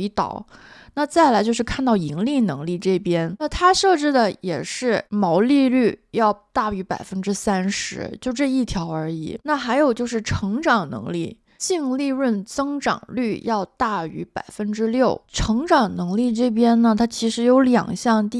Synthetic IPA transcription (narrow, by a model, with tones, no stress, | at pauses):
t̪ɑ̰˨˩˦ʊna˥˧t͡sa˥˩ɪla˧˥ɪt͡ɕjʊʂɻ̩˥˧kʰa˥˧nt̪ɑ˥˩ʊi˧˥ŋli˥˩nɤ˧˥ŋli˥˧ʈ͡ʂɤ˥˩pjɛ˥nna˥˩t̪ʰa˥ʂɤ˥˩ʈ͡ʂɻ̩˥d̪ə˨jɛ˨˩ʂɻ̩˥˩mɑ˧˥ʊli˥˧ly˥˩jɑ˥˧ʊt̪a˥˩y˧˥pa̰˨˩ɪfə˥nʈ͡ʂɻ̩˥sa˥nʂɻ̩˧˥t͡ɕjo˥˧ʊʈ͡ʂɤ˥˧i˥˩t̪ʰjɑ˧˥ʊə˞˧˥ḭ˨˩˦na˥˩xa˧˥ɪjo˨˩ʊt͡ɕjo˥˧ʊʂɻ̩˥˩ʈ͡ʂʰɤ˧˥ŋʈ͡ʂɑ˨˩ŋnɤ̰˧˥ŋli˥˩ | t͡ɕi˥˧ŋli˥˧ɻə˥˩nt͡sɤ˥ŋʈ͡ʂɑ̰˨˩ŋly˥˩jɑ˥˧ʊt̪a˥˩y̰˧˥pa˨˩ɪfə˥nʈ͡ʂɻ̩˥ljo˥˩ʊʈ͡ʂʰɤ˧˥ŋʈ͡ʂɑ˨˩ŋnɤ˧˥ŋli˥˧ʈ͡ʂɤ˥˩p̬jɛ˥nnə˨t̪ʰa˥t͡ɕʰi˧˥ʂɻ̩˧˥jo˧˥ʊljɑ̰˨˩ŋɕjɑ˥˧ŋt̪